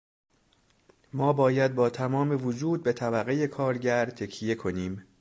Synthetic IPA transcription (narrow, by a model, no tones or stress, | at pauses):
mɒːbɒːjæd̪̚bɒːt̪ʰæmɒːme̞vod͡ʒuːd̪̚be̞t̪ʰæbæɣeje̞kʰɒːɾɟæɾt̪ʰe̞cʰije̞kʰo̞niːm